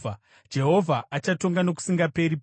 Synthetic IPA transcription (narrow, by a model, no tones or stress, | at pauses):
a | d͡ʒe̞ɦo̞vʱaʔat͡ʃato̞ŋɡano̞k̬u̥siŋɡape̞ɾip